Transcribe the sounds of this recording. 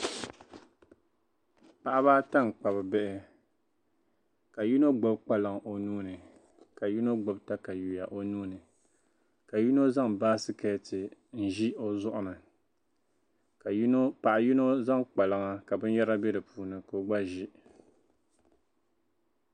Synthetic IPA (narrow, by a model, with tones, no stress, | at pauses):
pa˨ʔa˦βaː˦ta˦n˨k͡pa˨bɨ˨bɛ˦ʔɪ˦ | ka˨ji˦no˦ɡ͡ba˦bk͡pa˦lɨ˨ŋʔo˨nuː˦nɨ˨ | ka˨ji˦no˦ɡ͡ba˦bta˦ka˨ju˨ja˨ʔo˦nuː˦nɨ˨ | ka˨ji˦no˦za˦ŋbaː˦sɨ˦ka˨˦tɨ˨n̩˨ʒi˦o˦zʊ˦ʔʊ˨nɨ˨ | ka˨˦no˦pa˨ʔa˨ji˦no˦za˦ŋk͡pa˨lɨ˨ŋa˦ka˨bɨ˦n˦jɛ˦ɾa˦bɛ˦dɨ˨puː˦nɨ˨ko˦ɡ͡ba˦ʒi˦